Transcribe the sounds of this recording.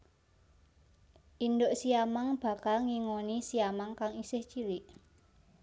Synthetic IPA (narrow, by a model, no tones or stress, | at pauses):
ʔindoʔsiamaŋb̥a̤kalŋiŋonisiamaŋkaŋisɪht͡ʃiɾɪʔ